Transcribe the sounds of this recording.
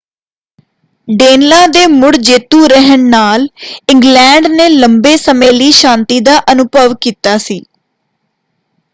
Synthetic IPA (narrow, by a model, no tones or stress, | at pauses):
ɖeːnlãːd̪eːmʊɽd͡ʒeːt̪uːɾəɦəɳnaːlɪŋɡlɛ̃ːɳɖneːləmbeːsəmeːliːʃãːnt̪iːd̪aːʔənʊbəʋkiːt̪aːsiː